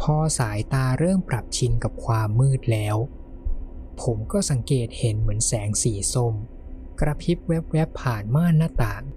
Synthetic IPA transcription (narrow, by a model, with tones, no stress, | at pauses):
pʰɔː˧saː˩˦jt̪aː˧ɾɤː˥˩ŋpɾa˨˩p̚t͡ɕʰi˧nka˨˩p̚kʰwaː˧mːɯː˥˩t̪̚lɛː˦˥w | pʰo˩˦mkɔː˥˩sa˩˦ŋkeː˨˩t̪̚he˩˦nmɯ˩˦ənsɛː˩˦ŋsiː˩˦so˧m | kɾa˧pʰi˦˥p̚we˦˥p̚wɛ˦˥pʰːaː˨˩nmaː˥˩nnːaː˥˩t̪aː˨˩ŋ